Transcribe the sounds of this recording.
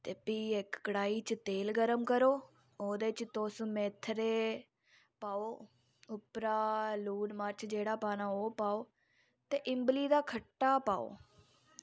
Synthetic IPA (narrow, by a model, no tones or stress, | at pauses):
t̪eːpiːɪkːəɽaːiːt͡ʃt̪eːlɡəɾəmkəɾoː | oːd̪eːt͡ʃt̪oːsũːmeːt̪ʰɾeː | paːoː | ʊpɾaːluːnməɾt͡ʃʰd͡ʒeːɽaːpaːnaːoːpaːoː | t̪eːʔɪmbliːd̪aːkʰəʈːaːpa̰ːo̰ː